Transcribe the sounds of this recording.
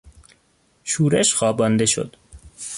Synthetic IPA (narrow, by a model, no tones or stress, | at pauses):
ʃuːɾeʃxɒːbɒnd̪eʃo̰d̪̥